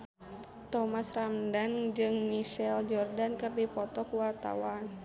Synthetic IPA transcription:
t̪ɔmasramdand͡ʒɨŋmiʃɛld͡ʒɔrdankɨrdipɔt̪ɔkuwart̪a̰wan

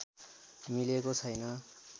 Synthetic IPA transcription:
milekot͡sʰʌjnʌ

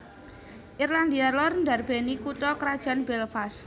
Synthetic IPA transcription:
ʔirland̪ialɔrndarb̥enikut̪ɔkɾad̥ʒ̥a̤nbɛlfas

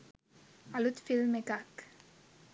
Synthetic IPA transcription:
alut̪filmekak

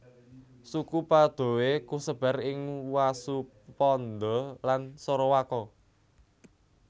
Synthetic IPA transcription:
sukupad̪̥o̤wekusəb̥a̤ɾɪŋwasu | pɔnd̪ɔlansɔɾɔwakɔ

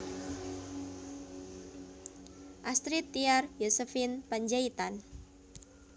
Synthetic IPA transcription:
ʔast̪ɾit̪iarjosəfinpaɲd͡ʒait̪an

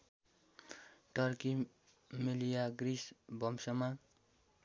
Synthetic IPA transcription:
ʈʌɾki | milijaɡrisbʌmsʌma

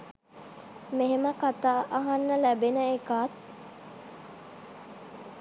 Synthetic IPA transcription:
meɦeməkat̪aːʔɐɦanːəlæbenəekaːt̪̚

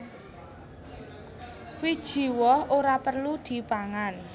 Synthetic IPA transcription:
wid̥ʒ̥i̤wɔhoɾapərlud̪̥i̤paŋan

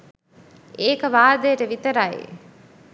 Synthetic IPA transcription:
eːkəʋaːd̪əjəʈəʋit̪əɾajḛ

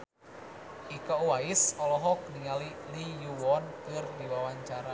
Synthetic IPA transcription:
ikauwaisɔlɔɦɔk̚niŋalilijuwɔnkɨrdiwawaɲt͡ʃaɾa

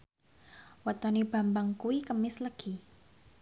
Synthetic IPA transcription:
wat̪ɔnib̥a̤mbaŋkuikəmɪsləɡ̥i

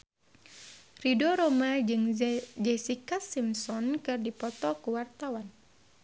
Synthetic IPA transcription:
ridɔɾomad͡ʒɨŋd͡ʒɛsikasimsɔnkɨrdipɔt̪ɔkuwart̪awan

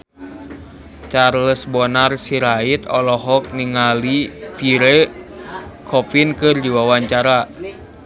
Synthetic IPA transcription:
t͡ʃarləsbɔnarsiɾait̪ɔlɔɦɔk̚niŋalipiɾɛ | kʰɔpinkɨrdiwawaɲt͡ʃaɾa

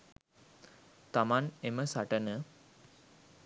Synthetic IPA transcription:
t̪amaneməsaʈənə

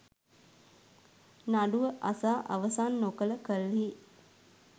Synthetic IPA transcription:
naɖuʋəʔasaːʔa̰ʋəsaːnːokələkəli

